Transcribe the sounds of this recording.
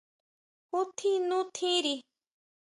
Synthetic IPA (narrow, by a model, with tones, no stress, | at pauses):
u˦t̪ʰĩ˦nũ˦t̪ʰĩ˦ɾi˧